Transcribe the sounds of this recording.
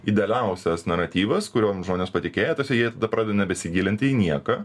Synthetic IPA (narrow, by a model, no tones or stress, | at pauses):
id̪ʲɛlʲɛʊsʲɛsnɐɾɐt̪ʲiːʋɐskʊɾʲoːmʒmoːnʲeːspɐt̪ʲɪkʲeːjɛt̪oːsʲɛjiɛt̪ɐd̪ɐpɾɑːdʲeɛd̪oːnʲɛbʲɛsʲɪɡʲiːlʲɪnʲt̪ʲɪiːnʲiɛkɐ